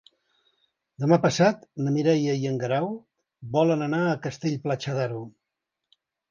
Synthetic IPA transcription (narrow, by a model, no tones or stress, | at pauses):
d̪əmapəsat̪nəmiɾɛjəiəŋɡəɾaw | bɔlənənaəkəst̪eʎʲplat͡ʃəðaɾu